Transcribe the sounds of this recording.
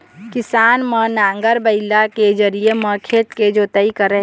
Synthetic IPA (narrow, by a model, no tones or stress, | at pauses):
kɪsaːnmə̃nãːŋɡəɾbəɪlaked͡ʒəɾieməkʰeːt̪ked͡ʒoːt̪əikəɾəɦ